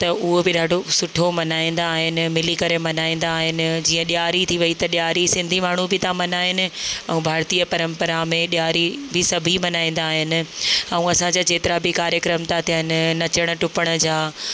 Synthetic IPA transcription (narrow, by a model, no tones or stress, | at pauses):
t̪ɐʔʊɦobɪɗʱaːɖʱosʊʈʰomɐnaːĩːnd̪aːɦɪnɪ̆mɪlikɐɾemɐnaːĩːn̆d̪aːɦɪnɪ̆d͡ʑiːɐ̃ɗjaːɾit̪ʰiʋɐit̪ɐɗjaːɾisɪ̃nd̪ʱimaːɳ̤ubɪt̪ãmɐnaːɦɪnɪ̆ɛ̰̃ũbʱaːɾt̪ijəpɐɾə̃mpəɾamẽɗjaːɾibʱɪsɐbʱimɐnaːĩːn̆d̪aːɦɪnɪ̆aːũɐsãd͡ʑad͡ʑeːt̪ɪɾabʱɪkaːɾjəkɾəmt̪ʰat̪əɪnɪ̆nɐt͡ɕəɽ̃ə̆ʈʊpəɽ̃ʊ̆d͡ʑaː